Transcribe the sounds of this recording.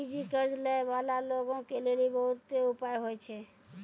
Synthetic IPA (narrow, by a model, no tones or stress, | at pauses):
id͡ʒikəɾd͡ʒləbalaloɡõkelelibəɦut̪ːeupajɦojt͡ʃʰɛ